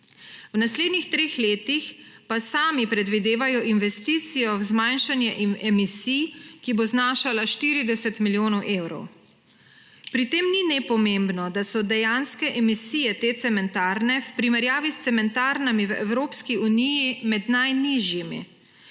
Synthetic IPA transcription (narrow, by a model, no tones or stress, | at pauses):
wnasleːd̪nixt̪ɾeːxleːt̪ixpasaːmipɾɛd̪ʋid̪eːʋajɔʔinʋɛst̪iːt̪sijɔwzmanʃanjɛʔɛmisijkiboznaːʃalaʃt̪iːɾid̪ɛsɛt̪miljoːnɔwʔeːwɾɔ̰w | pɾit̪eːmninɛpɔmembnɔd̪asɔd̪ɛjanskɛʔɛmisiːjɛt̪et̪sɛmɛnt̪aːɾnɛwpɾimɛɾjaːʋist̪sɛmɛnt̪aɾnamiwɛwɾoːpskiunijimɛd̪najniʒjimḭ